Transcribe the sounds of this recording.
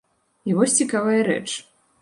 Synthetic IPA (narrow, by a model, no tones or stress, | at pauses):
ivɔsʲt͡sʲikavɐjɐɾɛ̰t͡ʂ